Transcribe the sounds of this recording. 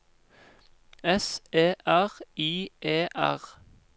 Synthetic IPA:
ɛseːʔæʁiːʔeːʔæ̰ʁ

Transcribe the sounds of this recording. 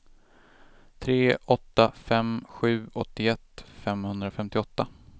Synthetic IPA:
t̪ʰɾeːʔɔt̪ːafɛmɧʉ̟ːʔɔt̪ːɪɛt̪ːfɛmhɵnd̪ɾafɛmt̪ɪɔt̪ːa

